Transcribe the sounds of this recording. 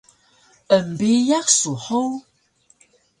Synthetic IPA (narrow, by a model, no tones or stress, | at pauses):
əm̩bejak̚suhow